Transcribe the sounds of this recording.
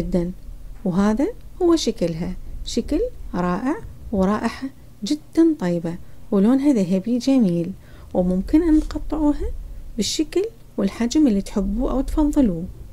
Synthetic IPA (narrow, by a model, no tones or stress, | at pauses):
ɪd̪ːanwɦaːðahʊwːaʃaklɦaʃaklɾˤɑːʔɪʕwɾˤɑːʔɪħa | d͡ʒɪd̪̥ːant̪ˤɑjbawloːnɦaðaɦabid͡ʒamiːl | wmʊmkɪnʔanːtqɑt̪ˤːɨʕuːɦabɪʃːakl | wɪlħad͡ʒmɪlːit̪ħɪbːuʔawt̪fɑðˤːɨluː